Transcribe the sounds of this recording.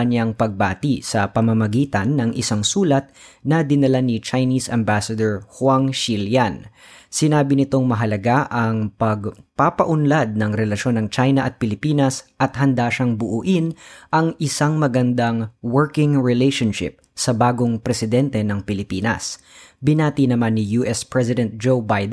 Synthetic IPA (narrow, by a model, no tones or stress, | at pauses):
ɐɲjaŋpɐɡ̚ba̰ːt̪isɐpɐmɐmɐɡiːt̪ɐnːɐŋʔɪsaŋsuːlɐt̪̚nɐd̪ɪnɐlanit͡ʃɐjniːsʔɐmbasɐd̪oɹhwaŋʃiljan | sɪnaːbɪnɪt̪o̞ŋmɐɦɐlɐɡaʔɐŋpɐɡpapɐʔʊnlad̪̚nɐŋɾɛlɐʃo̞nɐŋt͡ʃajnɐʔɐt̪̚pɪlɪpiːnɐsʔɐt̪̚ɦɐnd̪aʃɐŋbʊʔuːʔɪnʔɐŋɪsaŋmɐɡɐnd̪aŋwɛɹkɪŋɹɛlɛjʃonʃɪ̰p̚sɐbaːɡo̞ŋpɾɛsɪd̪ɛnt̪ɛnɐŋpɪlɪpiːnɐ̰s | bɪnaːt̪inɐmanːɪjuːʔɛspɹɛsɪd̪ɛnt̪̚d͡ʒowbajd̪